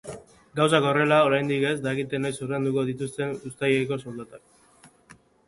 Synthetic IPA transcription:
ɡaws̬ako̞re̞lao̞ɾajnd̪ike̞zd̪aeɣit̪e̞nojsuɾe̞nd̪uko̞ð̞it̪ust̪e̞nust̪ajeko̞sold̪at̪ak̚

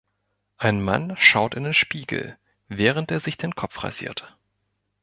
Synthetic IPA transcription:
ʔaɪnma̰nʃaʊtɪndeːnʃpiːɡl̩ | vɛːʁ̞əntʔeːɐzɪçd̥eːnkʰɔpp͡fʁ̥a̰ɪz̥ḭːɐt

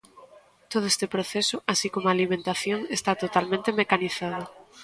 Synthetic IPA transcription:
t̪oð̞ʊest̪epɾoθesʊʔasikomoalimẽnt̪aθjoŋest̪at̪ot̪almẽnt̪emekaniθað̞ʊ

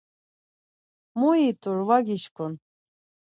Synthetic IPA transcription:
muit̪ʰʼuɾvaɡʲiʃkʰʼun

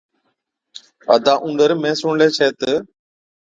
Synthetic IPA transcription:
ə̰d̪ãːʔũːɳɖəɾmẽːsʊɳleːt͡ʃʰeːt̪ə

